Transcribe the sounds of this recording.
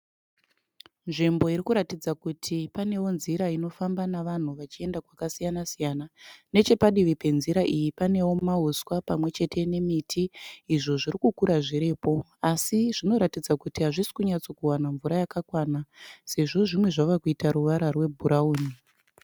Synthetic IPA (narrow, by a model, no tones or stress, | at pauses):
nʐimbo̞iɾikuɾatid͡zakutʰipane̞wo̞nziɾaino̞fambanaʋan̤uʋat͡ʃie̞ndakwakasijanasijanane̞t͡ʃe̞paɗiʋipe̞nziɾaʔijipane̞wo̞mauswapamwe̞t͡ʃe̞tʰe̞ne̞mitʰiːʐo̞ʐiɾikukuɾaʐiɾeːpo̞ | asiʐino̞ɾatid͡zakutiɦaʐisi̥kuɲat͡sokuwanaɱvuɾajakakwaːnase̞ʐo̞ʐimwe̞ʐaʋakuitaɾuʋaɾarwe̞bʱuɾauːni